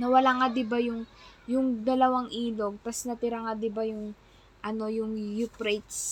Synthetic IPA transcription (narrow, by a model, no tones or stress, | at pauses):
nɐwɐlaːŋad̪ɪbajʊŋjʊŋd̪ɐlɐwaŋʔiːlo̞ɡ̚t̪ɐsnɐt̪ɪɾaŋad̪ɪbajʊŋ | ʔɐno̞jʊŋjupɾɛjt̪s